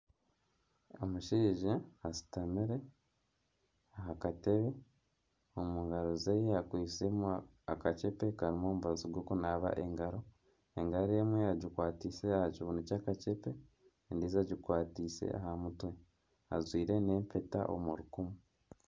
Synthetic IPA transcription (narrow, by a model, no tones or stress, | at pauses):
o̰muʃiːʒaasi̥tamiɾe̞ | aɦakateβe | omuŋɡaɾozejeakwiːsemu | akat͡ʃepe̞kaɾimo̞ːmuβaziɡwoːkonaβa̰ʔe̞ŋɡaɾo̞ | eŋɡaɾemweaɟikwaːtise̞ahaɟuβunucaːkat͡ʃepe̞ | ndizaɟikwaːtise̞̰ʔa̰hamutwe̞ | a̰zwiːɾe̞ne̞ːmpe̞ta̰ʔo̰muɾukumu